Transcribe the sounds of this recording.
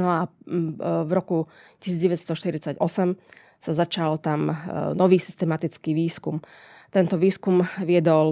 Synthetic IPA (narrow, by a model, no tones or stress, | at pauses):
nɔa | vɾɔkuci̥siːd͡zɟɛʋɛst̪ɔʃt̪iɾit͡saɟɔsɛm | sazat͡ʃalt̪amnɔʋiːsi̥st̪ɛmat̪it͡skiːʋiːskum | t̪ɛnt̪ɔʋiːskumʋɪɛd̪ɔl